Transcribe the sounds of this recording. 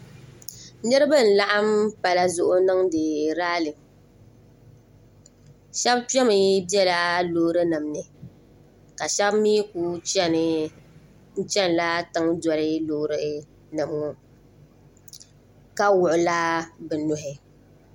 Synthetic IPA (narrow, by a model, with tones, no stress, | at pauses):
nɛ˦ɾɨ˦bɨ˦˨n̩˨la˦ʔa˦mpa˨la˦zʊ˦ʔʊ˦nɨ˦ŋdɨ˨ɾaː˦lɨ˨m | ʃɛ˦b̚tɛ˦mɨ˨bi˦ɛ˦la˦lo˦ɾɨ˦nɨ˨mnɨ˨ | ka˨ʃɛ˦bmiː˦kuː˦t͡ʃɛ˦nɨ˨ | n̩˦t͡ʃɛ˦n˨la˦tɨ˦ŋdɔ˨lɪ˦lo˨˦ɾɨ˦ | nɨ˨mŋʊ˦ | ka˦wʊ˨ʔʊ˨la˦bɨ˨nʊ˨ɦɪ˨